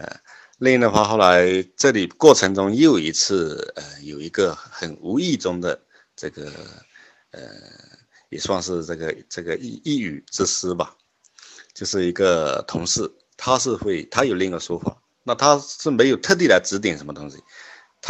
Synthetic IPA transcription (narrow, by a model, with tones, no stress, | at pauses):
ə̰˩ | li˥˧ŋ˥nə˧xwa˥˧xo˥˩ʊla˧˥ɪʈ͡ʂɤ˥˩li˨˩kwɔ˥˩ʈ͡ʂʰɤ˧˥ŋʈ͡ʂʊ˥ŋjo˥˩ʊi˧˥t͡sʰɹ̩˥˩ə̰˧jo˨˩ʊi˧˥ɡə˧xə˨˩nu˧˥i˥˩ʈ͡ʂʊ˥ŋd̪ə˨ | ʈ͡ʂɤ˥˩ɡə̰˩ | ə̰˩ | jɛ̰˨˩ʂwɑ˥˧ŋʂɻ̩˥˧ʈ͡ʂɤ˥˩ɡə˩ʈ͡ʂɤ˥˩ɡə˩i˥˧i˥˩y˨˩ʈ͡ʂɻ̩˥ʂ̩˥bɐ˨˩ | t͡ɕjo˥˧ʊʂɻ̩˥˩i˧˥ɡə˧t̪ʰʊ˧˥ŋʂɻ̩˥˩ | t̪ʰa˥ʂɻ̩˥˧xwe˥˩ɪt̪ʰa˥jo˨˩ʊli˥˧ŋɡə˩ʂwɔ˥fa̰˨˩˦ | na˥˩t̪ʰa˥ʂɻ̩˥˩me˧˥ɪjo˨˩ʊt̪ʰɤ˥˧t̪̬i˥˩la˧˥ɪʈ͡ʂɻ̩˧˥t̪̬i˨˩nʂə˧˥mə˧t̪ʊ˥ŋɕḭ˨˩ | t̪ʰa˥